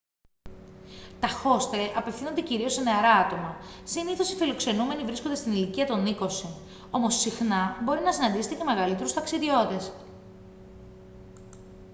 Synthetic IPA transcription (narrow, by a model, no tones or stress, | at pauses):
t̪ɐxo̞st̪eʔɐpe̞fθino̞nd̪e̞ciɾio̞seneɐɾɐɐt̪o̞mɐsiniθo̞sifilo̞kse̞nume̞nivɾiskond̪est̪iniliciɐt̪o̞niko̞si | o̞mo̞sːixnɐbo̞ɾinɐsinɐnd̪iset̪ece̞me̞ɣɐlit̪e̞ɾust̪ɐksiðio̞t̪e̞s